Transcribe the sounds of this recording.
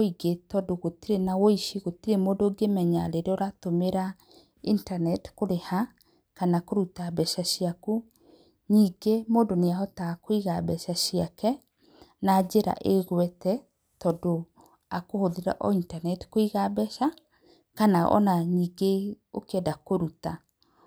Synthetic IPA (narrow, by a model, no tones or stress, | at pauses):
oiɡetɔdoɣotiɾenawoiʃiɣotiɾemodoɡemɛɲaɾeɾeɔɾatomeɾa | intanɛtkoɾeha | kanakoɾutabɛʃaʃiaku | ɲiːɡemoːdoneaɦɔtakoiɣabɛʃaʃiakɛ | naːd͡ʒeɾa̰ʔeɣwɛtɛ | tɔdo | akohoðeɾa̰ʔɔintanɛtkoiɣabɛʃa | kanaʔɔ̰naɲiːɡeo̰kɛdakoɾuta